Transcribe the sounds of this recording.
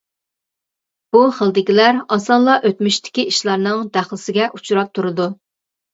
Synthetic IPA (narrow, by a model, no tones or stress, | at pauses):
b̥uχəlˠd̪ɪkʲilæɾɑsɑnlˠɑʔøt̪myʃt̪ʰɪ̥kʲiʔiʃlˠɑɾnɨŋd̪æχlˠɪsɪɡʲɛʔut͡ʃʰuɾɑp̚t̪ʰuɾɨd̪u